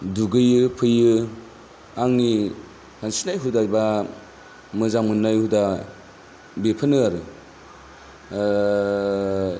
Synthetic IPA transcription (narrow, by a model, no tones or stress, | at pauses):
duɡɯjɯpʰɯjɯ | aŋni | hansinajɦudajba | mɯzamɯnːajhuda | bepʰɯnɯaɾɯ